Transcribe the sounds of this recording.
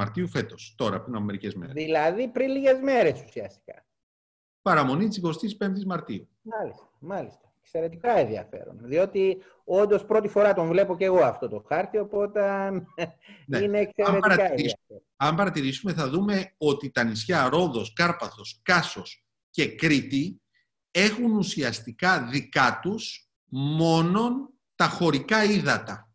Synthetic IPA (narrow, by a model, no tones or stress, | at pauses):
ɐɾt̪iufe̞t̪o̞st̪o̞ɾɐ̰pɾinɐmeɾicezmḛɾðilɐðipɾinliʝe̞zme̞ɾe̞su̥siɐst̪i̥kɐ̰ | pɐɾɐmo̞nit̪isiko̞st̪ispe̞nt̪izmɐɾt̪iu | mɐlist̪ɐ̥mɐlist̪ɐ̥ekse̞ɾe̞t̪ikɐenðiɐ̰fe̞̰ɾo̞̰nðio̞t̪i | o̞nd̪o̞spɾo̞t̪ifoɾɐt̪o̞ɱvle̞po̞ce̞ɣo̞ɐft̪o̞t̪oxɐɾt̪io̞po̞t̪ɐnneineːkseɾet̪ɐɾɐɐeiisɐe | ɐmbɐɾɐt̪iɾisume̞θɐðume̞o̞t̪it̪ɐnisçɐɾo̞ðo̞skɐɾpɐθo̞skɐso̞s | ce̞kɾit̪i | e̞xunusiɐst̪ikɐðikɐt̪us | mo̞no̞n | t̪ɐxo̞ɾikɐiðɐt̪ɐ